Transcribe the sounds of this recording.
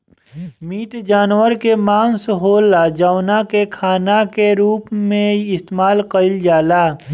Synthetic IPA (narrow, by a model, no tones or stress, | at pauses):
miːʈd͡ʒaːnwəɾkemaːnsɦoːlad͡ʒaːʊnakekʰaːnakeɾuːpmẽɪst̪eːmaːlqəɪld͡ʒaːlaː